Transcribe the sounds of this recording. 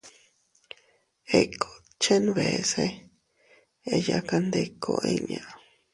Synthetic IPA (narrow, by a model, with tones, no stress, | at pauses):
e˧˨kʰo˨ | t͡ʃe˦nβe˨se˦ | e˧ja˧ka˧nd̪e˧kʰo̰˧ʔe˧ɲã˧